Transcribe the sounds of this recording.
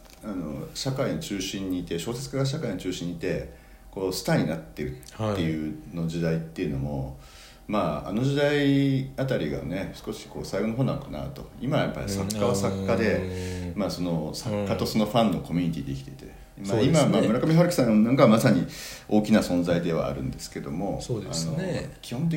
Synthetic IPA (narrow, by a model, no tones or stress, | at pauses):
ano̞ɕakaiɲot͡ɕɨːɕĩɲ̟ːiːt̪e̞ɕo̞ːse̞t͡sɨ̥kaɡaɕ̬akaiɲot͡ɕɨːɕĩɲ̟ːit̪e̞ | ko̞ːsɨ̥t̪aɲ̟inat̪ːe̞ɾɯ̟ːe̞jɯ̟no̞d͡ʑid̪ait̪ːe̞iɯ̟no̞mo̞ | maa̰no̞ʑid̪aiat̪aɾʲiɡa̰ne̞sɨ̥ko̞ɕi̥ko̞ːsaiɡo̞noɦo̞ːnã̰nokana̰ɯ̟t̪o̞imajapːaɾʲisakːaβasakːad̪e̞maso̞no̞sakːat̪o̞so̞no̞ɸãnːo̞ko̞mʲiɲ̟it̪ʲid̪ekʲi̥t̪e̞it̪e | imaimamamɯ̟ɾakamʲiɦaɾɯkʲi̥sãñonãŋkamasaɲ̟io̞ːkʲinasõ̞nzaid̪e̞βa̰ːɾɯ̟̃nd̪e̞sɨ̥ke̞d̪o̞mo̞oa̰no̞kʲihõ̞nt̪̬e